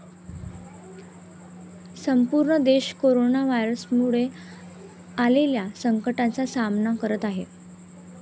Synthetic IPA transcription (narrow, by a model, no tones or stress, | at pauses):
səmpuɾɳəd̪eɕkoɾonaʋajɾəsmuɭe | aleljasəŋkəʈãt͡sasamnakəɾət̪aɦe